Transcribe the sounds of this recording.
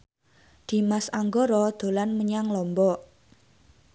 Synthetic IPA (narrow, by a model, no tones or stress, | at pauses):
d̪̥i̤masaŋɡoɾɔd̪̥o̤lanməɲaŋlɔmbɔʔ